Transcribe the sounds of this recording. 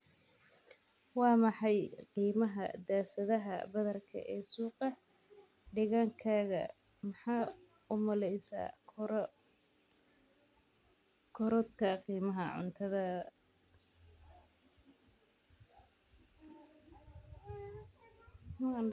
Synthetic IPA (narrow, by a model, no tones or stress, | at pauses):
wɑːmɑħɑjqiːmɐɦɐ̰d̪aːsɐðɐɦɐ̰bɐðɐrkʰɐ̰ʔɛːsuːqɑ | ɖɪɣaːŋkʰaːɣɐ̰ | mɐħɑː | ʊmɐlɛjsa̰ːkʰ | kʰɔɾɔd̪kʰɐqiːmɐɦɐʕʊ̰nt̪ʰɐðɐ